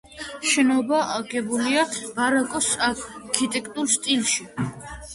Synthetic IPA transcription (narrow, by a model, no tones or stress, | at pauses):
ʃɛnɔbaʔaɡɛbuliab̥aɾakʼɔsakʰit̪ʼɛkʼt̪ʼuɾst̪ʼilˠʃi